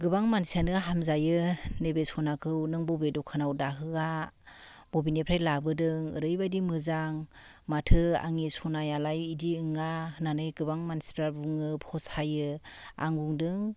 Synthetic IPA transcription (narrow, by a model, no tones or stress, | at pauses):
ɡɯbaŋmansianɯɦamzajɯnebesɔnakʰɯwnɯŋbɔbedɔkʰanawdaɦɯɡa | b̥ɔbinepʰɾajlabɯdɯŋɯ̰ɾɯjbajdimɯzaŋmatʰɯa̰ŋisɔnajalajidiɯŋaɯnanɯjɡɯbaŋmansi̥pɾabuŋɯphɔsajɯa̰ŋbuŋdɯŋ